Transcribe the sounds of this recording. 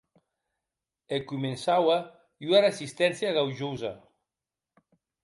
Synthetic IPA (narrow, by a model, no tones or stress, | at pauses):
ekumensawa | ynaresist̪ɛnsjaɣawʒuza̰